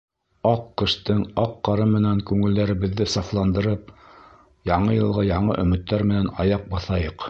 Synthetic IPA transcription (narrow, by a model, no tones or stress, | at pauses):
ɑqːɤ̆ʃt̪ɤɴɑqːɑɾɤmɘ̆næŋkʉŋɘ̆ld̪æɾɘ̆βɘ̆ðːɘsɑflˠɑnd̪ɤ̆ɾɤp̚ | jɑɴɤjɤ̆lˠʁɑjɑɴɤʔɵ̆mɘ̆t̪ːæɾmɘ̆nænɑjɑq̚bɑθɑjɤq